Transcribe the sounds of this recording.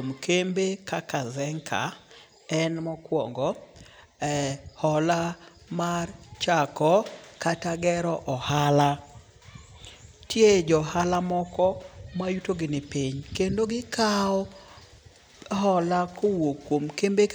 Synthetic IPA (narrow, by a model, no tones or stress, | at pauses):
omkembekakazɛŋkʰa̰ | ɛnmɔkwɔ̰ŋɡɔ | ɛhɔlamart͡ʃakɔkataɡɛɾɔʔɔhala | tʰjed͡ʒɔhalamɔkɔmajutoɡɪnɪpiɲkendoɡɪkaɔ | ɦɔlakʰowokːwomkembe